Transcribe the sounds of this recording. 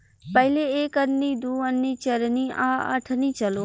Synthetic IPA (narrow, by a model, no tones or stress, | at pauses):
pəɦɪleeːkəɾnĩːd̪uːənːĩːt͡ʃɐɾnĩːʔaːə̰ʈʰnĩːt͡ʃɐloː